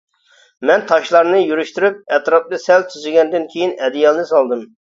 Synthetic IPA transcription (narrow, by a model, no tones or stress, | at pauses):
mɛnt̪ʰɑʃlˠɑɾnɨjyɾyʃt̪yɾyp̚ɛt̪ɾɑp̚d̪ɨsɛlt̪ʰyzɪɡʲɛnd̪ɪnkʲʰejinɛd̪ɪjɑlˠɨnɨsɑlˠd̪ɨm